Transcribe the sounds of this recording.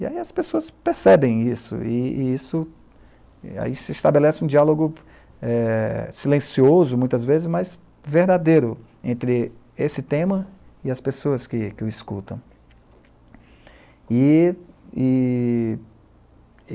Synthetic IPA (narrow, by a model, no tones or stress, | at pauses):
ia̰iɐspesoɐspeɾsɛbẽj̃isʊ̰ɪisʊ | a̰isɪist̪abelɛsɪũd͡ʒialoɡʊ | ɛsilẽsiozʊmũj̃t̪ɐzvezɪzmajz | veɾd̪ad̪ejɾʊ | ẽnt̪ɾɪ | esɪt̪ẽmɐ | ɪɐspesoɐskɪkɪʊiskṵt̪ɐ̰̃w̃ | ɪ | ɪ